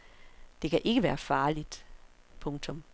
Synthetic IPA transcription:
d̥e̝kʰæʔe̝ɡ̥əʋæːɐfɑ̈ːlid̥ | pʰɔ̽ŋt͡sʰɔ̽m

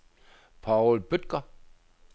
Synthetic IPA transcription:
pʰaʊlb̥ød̥̚ɡ̥ɐ

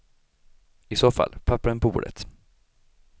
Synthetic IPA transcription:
ɪsoːfa̰lpʰapːaɾənpʰɔbṵːɖə̰t̪

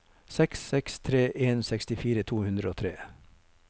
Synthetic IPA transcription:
sɛksɛkst̪ʰɾeːʔeːnsɛkst̪ɪfiːɾət̪ʰuːhʉnd̪ɾəoːt̪ʰɾeː

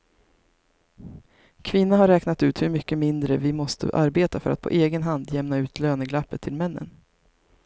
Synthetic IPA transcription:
kʰvɪnːaɦaɾɛːknat̪ʉ̟ːt̪hɵɾmʏkːəmɪnd̪ɾəvɪmɔst̪ʰə̰ʔaɾbeːt̪afœ̰ɾat̪pʰɔ̰ʔeːɡənɦand̪jɛmnaʉ̟ːt̪ʰløːnəɡlapːət̪ʰːɪlmɛnːə̰n

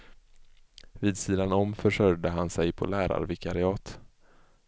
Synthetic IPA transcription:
viːd̪siːd̪anɔmfœʂœɾd̪əɦansɛjpʰɔ̰læːɾa̰ɾvɪkʰaɾɪɑːt̪

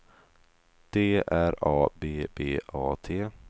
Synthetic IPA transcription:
d̪̥eːæɾɑːbeːbeːʔɑːt̪ʰeː

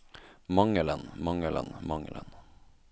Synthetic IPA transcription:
mɑŋələnmɑŋələ̰nmɑŋələ̰n

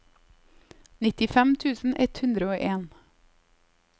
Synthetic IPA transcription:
nɪt̪ɪfɛmt̪ʰʉːsn̩ʔɛt̪hʉnd̪ɾəoːʔeːn

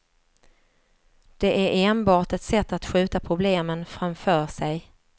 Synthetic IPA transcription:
d̪̥ɛʔæɾʔeːnbɑːʈɛt̪sɛt̪ːat̪ɧʉ̟ːt̪apʰɾʊbleːmənfɾamfœːʂɛj

